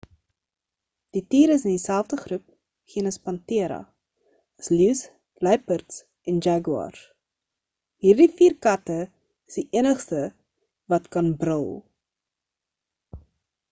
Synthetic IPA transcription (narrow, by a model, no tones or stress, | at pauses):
d̥itiːɾəsəndisælˠfdəχrup̚ | χiənəspɐntiəɾɐ̰ | əsljus | lɛjpərts | ʔɛnd͡ʒɛɡwɑ̰r | ɦiːrdifiːrkɐtə | əsdiʔiənəχstə | vɐtkɐnbrəlˠ